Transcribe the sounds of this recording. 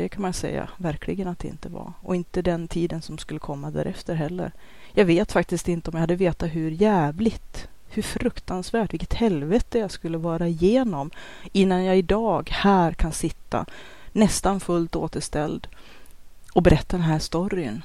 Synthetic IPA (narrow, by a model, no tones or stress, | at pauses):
d̪̥ɛkʰanmansɛ̰jːa̰væɾkʰlɪɡənat̪̚d̪ɛɪ̰nt̪əva̰ɔ̰ɪnt̪əd̪ɛnt̪ʰiːd̪ənsɔmskɵlːəkʰɔmːad̪æ̰ːɾʔɛft̪əɾɦɛlːə̰ɾ | jɑːɡveːt̪fak̚t̪ɪst̪ɪnt̪əɔmjajhad̪ːəveːt̪aɦɵɾjæːvlɪɡt̪hɵɾfɾɵkt̪ansvæːʈvɪkət̪hɛlvɛt̪əjaskɵlːəvɑːɾaɪjeːnɔmɪnːanjaɪd̪ɑːɡhæːɾkʰansɪt̪ːa̰ | nɛst̪anfɵlt̪o̰ːt̪əʂt̪ɛld̪ | ɔbɛɾɛt̪ːad̪ɛnɦæːʂt̪ɔɾɪə̰n